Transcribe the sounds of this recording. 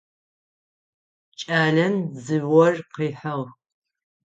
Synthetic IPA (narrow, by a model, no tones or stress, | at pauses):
t͡ʃʼaːɮɐnzɨwɔrqiːħɐʁ